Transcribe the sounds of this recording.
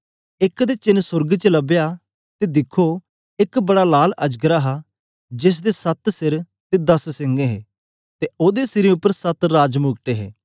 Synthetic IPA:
ɪkd̪eːt͡ʃɪnsʊɾɡt͡ʃələbejaː | t̪ed̪ɪkʰːo | ɪkbɐɽalaːləd͡ʒɡəɾaːɦa | d͡ʒɪs̬d̪esɐt̪sɪɾ | t̪ed̪ɐssɪ̃ŋɡeɦɛː | t̪eoːd̪esɪɾĩʊpːəɾsət̪ɾaːd͡ʒmʊːɡʈeːɦḛː

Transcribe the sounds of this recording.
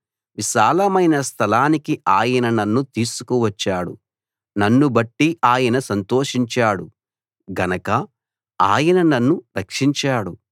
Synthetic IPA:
ʋiʃaːlɐmɐjnɐst̪ʰɐlaːnikiʔaːjɐnɐnɐnːut̪iːsu̥kuʋɐt͡ʃːaːɽṵ | nɐnːubɐʈːiʔaːjɐnɐsɐnt̪oːʂiɲt͡ʃaːɽu | ɡɐnɐkɐ | aːjɐnɐnɐnːuɾɐkʂiɲt͡ʃaːɽu

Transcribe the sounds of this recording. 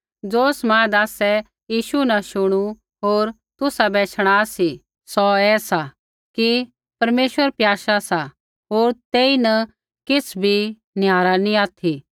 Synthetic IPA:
d͡zoːsmãːd̪aːsɛ | jiːʃunɐʃʊɽ̃u | ɦoːɾ | t̪ʊsabɛːt͡ʃʰəɽ̃aːsi | sɔɛːsa | ki | pɐɾmeːʃʋəɾpjaːʃasa | ɦoːɾt̪eːinɐ | kɪsʰbʱi | njaːɾaniaːt̪ʰi

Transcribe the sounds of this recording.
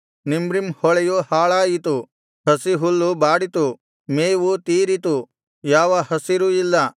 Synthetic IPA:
nimbɾimhɔɭɛjuhaːɭaːjit̪u | hɐsiɦulːubaːɽit̪u | meːʋut̪iːɾit̪u | jaːʋɐhɐsiɾuilːɐ

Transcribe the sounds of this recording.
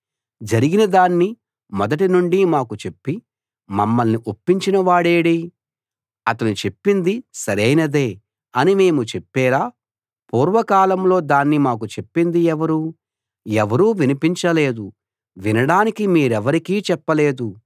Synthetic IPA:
d͡ʒɐɾiɡinɐd̪aːnːi | mɔd̪ɐʈinuɳɖimaːkut͡ʃe̞pːi | mɐmːɐlniʔopːiɲt͡ʃinɐʋaːɽeːɽi | ɐt̪ɐnut͡ʃe̞pːind̪isɐɾejnɐd̪e̞ː | ɐnime̞ːmut͡ʃepːɛːɾaː | puːɾʋɐkaːlɐmlo̞ːd̪aːnːimaːk̬ut͡ʃe̞pːind̪iɛʋɐɾu | ɛʋɐɾuːʋinipiɲt͡ʃɐle̞ːd̪u | ʋinɐɽaːnikimiːɾɛʋɐɾikiːt͡ʃɛpːɐle̞ːd̪u

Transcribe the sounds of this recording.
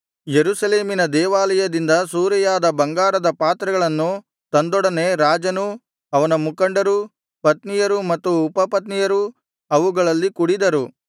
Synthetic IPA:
jeɾusɐleːminɐd̪ɛːʋaːlɐjɐd̪ind̪ɐsuːɾɛjaːd̪ɐbɐŋɡaːɾɐd̪ɐpaːt̪ɾɐɡɐɭɐnːu | t̪ɐnd̪ɔɽɐne̞ɾaːd͡ʒɐnu | ɐʋɐnɐmukɐɳɖɐɾu | pɐt̪nijɐɾumɐt̪ːuːpɐpɐt̪nijɐɾu | ɐʋuɡɐɭɐlːikuɽid̪ɐɾu

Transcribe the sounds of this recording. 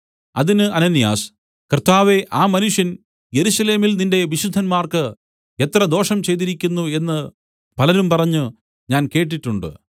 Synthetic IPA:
ɐðinɨɐnɐnːija̰ːs | krt̪ːaːʋe̞ʔaːmɐnuʂjɐn | je̞ɾusɐle̞ːmilninde̞ʋiɕud̪ʱːɐnmaːrkɨ | e̞t̪rɐd̪o̞ːʂɐmt͡ɕe̞jt̪̬iɾikʲːunːue̞nːɨ | pɐlɐɾumpɐrɐɲːu | ɲaːnke̞ːʈ̬ːiʈːuɳɖɨ̰

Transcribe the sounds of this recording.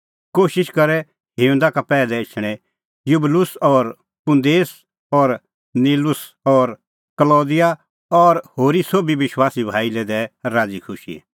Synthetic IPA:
koːʃɪʃkɐɾɛ | ɦɪʊ̃nd̪akapɛːlɛɪt͡ʃʰɽ̃ɛ | jʊblʊsɔːɾ | pʊ̃nd̪eːs | ɔːɾ | niːlʊs | ɔːɾ | kəlɔːd̪ɪja | ɔːɾhoːɾisoːbiʋɪʃwaːsibʱaːilɛd̪ɛɾaːd͡zikʰʊʃḭ

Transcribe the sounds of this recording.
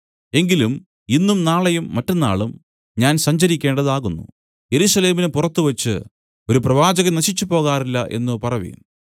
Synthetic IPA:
e̞ŋɡilum | inːumnaːɭɐjumːɐtːɐnːa̰ːɭum | ɲaːnsɐɲd͡ʑɐɾikʲːe̞ːɳɖɐðaːɣunːṵ | je̞ɾuʂɐle̞ːminɨpurɐt̪ːuʋɐt͡ɕːɨ̰ | o̞ɾuprɐʋaːd͡ʑɐɣɐnɐɕit͡ɕːupo̞ːɣaːrilːɐʔe̞̰nːɨpɐrɐʋḭm

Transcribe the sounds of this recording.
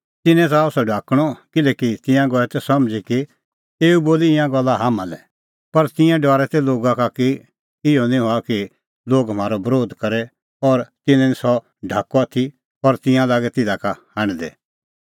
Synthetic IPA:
t̪ɪnɛ̃t̪̬asɔɖʱaːkɽ̃ɔkɪlɛːkit̪ɪ̃jãɡɔɛt̪ɛsɐmd͡ʒiki | eːuboːliɪ̃jãɡɐlːaɦaːmãlɛ | pɐɾt̪ɪ̃jãɖɔːɾɛt̪ɛloːɡakaki | ɪjɔnĩɦoaki | loːɡɦəmaːɾɔbɾoːd̪kɐɾɛ | ɔːɾt̪ɪnɛ̃nisɔ | ɖʱaːkɔat̪ʰi | ɔːɾt̪ɪ̃jãlaːɡɛt̪ɪdakahãɽ̃d̪ɛ̰

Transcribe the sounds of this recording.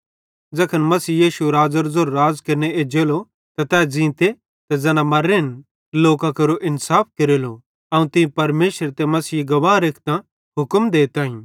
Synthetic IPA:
d͡zɐkʰənmɐsiːjiːʃuɾaːd͡zəɾzoɾːaːd͡zkɐɾneed͡ʒeːlo | t̪ɐt̪ɛːd͡zĩːt̪e | t̪ɐd͡zɛːnãmɐɾen | loːkakɐɾoʔɪnsaːp̚ʰkeɾeːlo | ɐũt̪ɪ̃pɐɾmeːʃəɾt̪emɐsiːɡɐʋaːɾekʰt̪ã | ɦʊkmd̪eːt̪ãːĩ

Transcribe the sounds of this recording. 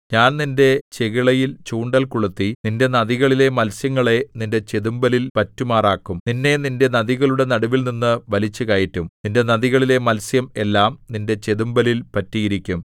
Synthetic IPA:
ɲaːnninde̞t͡ɕe̞ɣiɭɐjilt͡ɕuːɳɖɐlkuɭut̪ːininde̞nɐðiɣɐɭile̞mɐlsjɐŋːɐɭe̞ninde̞t͡ɕe̞ðumbɐlilpɐtːumaːraːkːumninːe̞ninde̞nɐðiɣɐɭuɽe̞nɐɽɐʋilninːɨʋɐlit͡ɕːukɐjitːumninde̞nɐðiɣɐɭile̞mɐlsjɐme̞lːaːmninde̞t͡ɕeðumbɐlilpɐtːijiɾikʲːum

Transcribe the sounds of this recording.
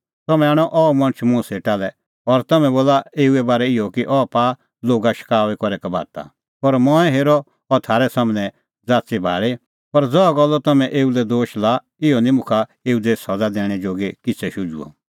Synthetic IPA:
t̪ɐmɛ̃aːɽ̃ɔʔɔmɐ̃ñt͡ʃʰmʊ̃seːʈalɛ | ɔɾt̪ɐmɛ̃boːlaeːuɛbaːɾɛɪjɔkiʔɔːpaː | loːɡaʃɪ̥kaːʋɛkɔɾɛkabʱa̰ːt̪a̰ | pɔɾmɔ̃ːɛ̃ɦeːɾɔ | ɔɾt̪ʰaːɾɛsaːmnɛ̃ | d͡zaːtt͡sibʱa̰ːɭe | pɐɾd͡zɔɔɡɔlːɔt̪ɐmɛ̃ʔeːulɛd̪oːʃla | ɪjɔnĩmʊ̃kʰaeːud̪esɐd͡zad̪ɛːɽ̃ɛd͡ʒoːɡekɪt͡sʰɛʃʊd͡ʒṵɔ̰

